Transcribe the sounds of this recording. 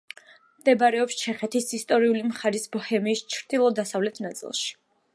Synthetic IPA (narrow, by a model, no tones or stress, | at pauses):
md̪̥ɛbaɾɛɔpst͡ʃʰɛχɛt̪ʰisist̪ʼɔɾiulimχaɾisbɔhɛmiːst͡ʃʰɾd̪̥ilˠɔd̪asavlɛt̪ʰnat̪sʼḭlˠʃi̥